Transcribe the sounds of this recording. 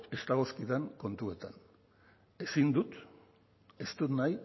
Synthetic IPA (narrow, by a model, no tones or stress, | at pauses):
e̞st̪aɣoskiðaŋko̞nt̪ue̞t̪an | e̞sind̪ut̪ | e̞st̪ut̪naj